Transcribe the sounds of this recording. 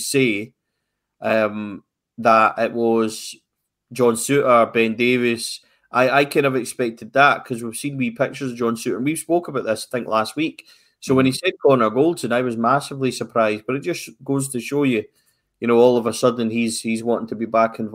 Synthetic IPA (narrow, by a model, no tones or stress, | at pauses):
se | ʔʌ̃m | ðəʔɪʔwʔɔz̥ | d͡ʒɔ̃nsʉʔə˞bɛ̃ndevɪs | ʔaɪʔaɪkʰãnəvɪkspɛk̚tʰɪd̪̚ðəʔkʰʌzwiv̥sĩnwipʰɪk̚t͡ʃə˞zd͡ʒɔ̃nsʉʔə̰˞ə̃nwiv̥spokəbaʊʔðɪsaɪθɪ̃ŋklˠast̚wik | sowə̃nisɛd̚ɡʰõnə˞ɡolˠdsə̃naɪwʌzmasɪvlˠisə˞pʰɹ̥aɪzdb̥ʌɾɪʔ̚d̥ʒ̥ʌsɡ̥oz̥tʰəʃojə | jɨnoɔlˠəvəsʌdⁿn̩iz̥hizwɔ̃nʔɪ̃ŋtʰəbibakɪ̃nv